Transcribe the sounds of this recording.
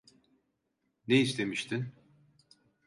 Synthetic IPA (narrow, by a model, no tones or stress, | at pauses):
neist̪ʰe̞miʃt̪ʰin